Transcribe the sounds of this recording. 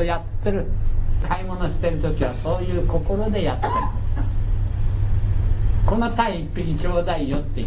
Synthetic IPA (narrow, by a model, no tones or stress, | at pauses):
ojat̪ːeɾɯ̟kaimo̞no̞ɕi̥t̪e̞ɾɯ̟t̪o̞kʲiβaso̞ːjɯ̟ːko̞ko̞ɾo̞d̪e̞jat̪ːeɯ | ko̞no̞t̪aiːpːikʲit͡ɕo̞ːd̪aijot̪ːe